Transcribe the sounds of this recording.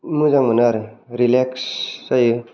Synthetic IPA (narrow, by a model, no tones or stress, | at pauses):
mɯzaŋmənaɾɾilekssajɯ